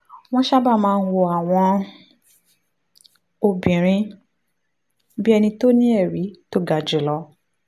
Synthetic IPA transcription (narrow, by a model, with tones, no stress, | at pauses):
w̃ɔ̃˦ʃa˦ba˦˨mãː˧n̩˦˧wo˧a˨w̃ɔ̃˧ | o˧bĩ˨ɾ̃ĩ˧˦ | bi˦ɛ˧nĩ˧to˦nĩ˦ɛ˦˨ɾi˨˦to˦ɡa˨d͡ʒe˨lɔ˧˦